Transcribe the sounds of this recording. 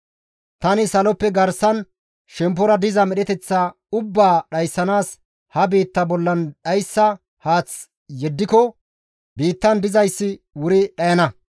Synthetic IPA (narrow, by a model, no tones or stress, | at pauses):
t̪ɐnɪsɐlɔpːɛɡɐɾsɐn | ʃɛmp̬ːɔɾɐd̪ɪzɐmɛɗɛt̪ɛt͡sːa | ʊbːaːɗɐjsːɐnaːs | hɐbiːt̪ːɐbɔlːɐnɗɐjsːɐ | haːt͡s | jɛd̪ːɪkɔ | biːt̪ːɐnd̪ɪzɐjsːɪ | wʊɾɪɗɐjɐnɐ